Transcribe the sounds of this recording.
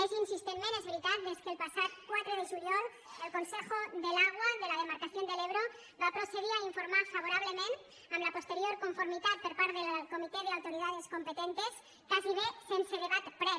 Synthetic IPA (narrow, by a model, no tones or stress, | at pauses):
esinsist̪enmenozβɾit̪ald̪eskelpasaðkwat̪ɾoð̞eʒuɾjol | elko̞nsexoðelaɣwaðe̞lað̞e̞maɾkaθjo̞nd̪e̞leβ̞ɾo | bapɾo̞se̞ð̞iɾaiɱfo̞ɾmaɾfaβ̞o̞ɾaβ̞le̞mẽ̞n | amlapo̞st̪e̞ɾjo̞ɾko̞ɱfo̞ɾmit̪at̪̚poɾpaɾtðeelko̞mit̪eðeawt̪o̞ɾiðað̞e̞sko̞mpe̞t̪ent̪e̞s | kasiðesenseðeβat̪pɾe